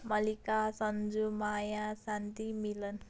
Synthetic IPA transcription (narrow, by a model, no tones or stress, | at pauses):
mʌlikasʌnd͡zumajasant̪imilʌn